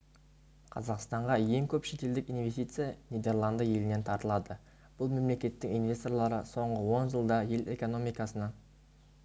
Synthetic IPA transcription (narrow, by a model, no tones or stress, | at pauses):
qʰɑ̰zɑqst̪ɑɴʁɑje̞ŋkʲʰɵpʃe̞t̪e̞ld̪ɪkijnve̞st̪it̪sɨjanijd̪e̞rlˠɑnd̪əje̞lɪne̞nt̪ʰɑɾt̪əlˠɑd̪ə | b̥ʊlˠme̞mle̞kʲe̞t̪ːɪŋijnvʲe̞st̪o̞rɾlˠɑɾəso̞ɴʁəwo̞nʒəlˠd̪ɑje̞le̞ko̞no̞mijkɑsənɑ